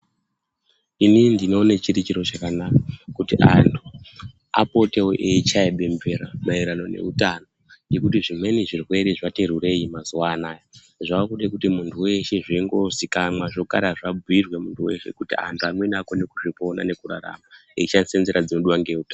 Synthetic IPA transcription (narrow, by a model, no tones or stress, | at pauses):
inindino̞ːnet͡ʃiɾit͡ʃiɾo̞t͡ʃakanakakutiʔantʰu | apo̞te̞oʔeit͡ʃaeɓe̞mbveɾamaiɾano̞ne̞̰utanoŋje̞kutiʐimwe̞niʐirwe̞ɾiʐateɾure̞jimazuwanaːja | ʐakuɗekutimuntʰuwe̞ʃeʐiiŋɡo̞zikamwaʐo̞ka̰ɾaʐab͡vuirwemuntʰuwe̞̰ʃe̞̰kutia̰ntʰuanwenakonekuʐipo̞na̰ne̞kuɾa̰ɾa̰maeit͡ʃansenzeɾad͡zinuɗuwaŋɡeutan